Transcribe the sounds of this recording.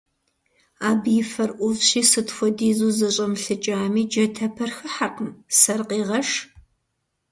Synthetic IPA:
aːbjɪfɐrʔʷʊzɕiːsɨtfʷɔdiːzuːzɐɕʼɐmɬɨt͡ʃʼaːmiːd͡ʒɐtʰɐpʰɐrxɨħaqəmsɐrqiːʁɐʂ

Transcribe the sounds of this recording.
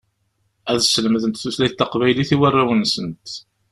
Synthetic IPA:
æðsələmðənt̪θuslæjθt̪ːɑqvæjliθiwərːawənsənt̪

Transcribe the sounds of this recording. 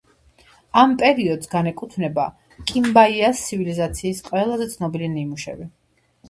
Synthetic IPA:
ampʼɛɾiɔd̪sɡanɛkʼut̪ʰnɛba | kʼimbaiast̪sʰivilizat̪sʰiːsqʼwɛlˠazɛt̪sʰnɔbilinimuʃɛ̰vi

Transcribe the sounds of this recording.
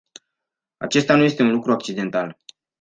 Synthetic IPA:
a̰t͡ʃe̞st̪anuje̞st̪e̞unlukɾuak̚t͡ʃid̪e̞nt̪al

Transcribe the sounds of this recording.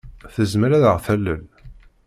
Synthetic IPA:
θəzməɾæðəʁθælːə̰l

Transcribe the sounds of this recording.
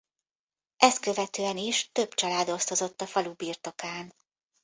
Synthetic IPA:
ɛst̪kø̞vɛt̪øːɛniʃt̪ø̞bt͡ʃɒlaːd̪o̞st̪o̞zo̞t̪ːɒfɒlubiːrt̪o̞kaːn

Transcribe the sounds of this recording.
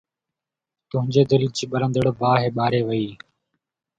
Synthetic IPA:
t̪ʊɦɪ̃ɲd͡ʒeːd̪ɪlt͡ʃiːɓəɾə̃nd̪əɽbaːɦeːɓaːɾeːʋəiː

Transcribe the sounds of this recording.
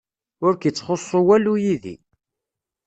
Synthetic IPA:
ʊɾkit͡sːχosˤːowælujiðḭ

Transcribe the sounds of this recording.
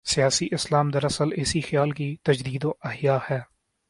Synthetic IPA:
sɪjaːsiʔɪslaːmd̪əɾɐsəlɪsixjaːlkit̪ɐd͡ʒd̪iːd̪õʔɐɦjaːhɛː

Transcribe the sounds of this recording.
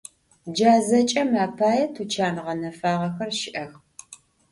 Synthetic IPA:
d͡ʒaːzɐt͡ʃʼɐmaːpʰaːjɐtʰut͡ʃʰaːnʁɐnɐfaːʁɐxɐrʃɪʔɐx

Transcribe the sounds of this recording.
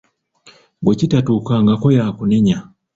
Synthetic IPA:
ɡwecitatuːkaŋɡako̞jakune̞ɲa

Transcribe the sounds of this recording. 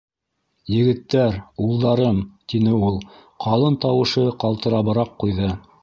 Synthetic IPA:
jɘ̆ɡɘ̆t̪ːæɾulˠd̪ɑɾɤmt̪inɘulˠqʰɑlˠɤnt̪ɑwɤ̆ʃɤqɑlˠt̪ɤ̆ɾɑβɤ̆ɾɑqːujðɤ

